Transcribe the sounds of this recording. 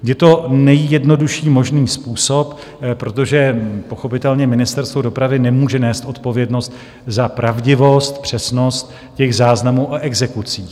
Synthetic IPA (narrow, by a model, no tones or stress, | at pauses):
jɛt̪o̞nɛjjɛdno̞duʃiːmo̞ʒniːspuːso̞p | pɾo̞t̪o̞ʒɛpo̞xo̞pɪt̪ɛlɲɛmɪnɪst̪ɛɾst̪vodo̞pɾavɪnɛmuːʒɛnɛːst̪ʔo̞t̪po̞vjɛdno̞st̪ | zapɾʔavɟɪvo̞st̪pr̥ɛsno̞st̪ | cɛɣzaːznamuːʔoʔɛɡzɛkut͡siː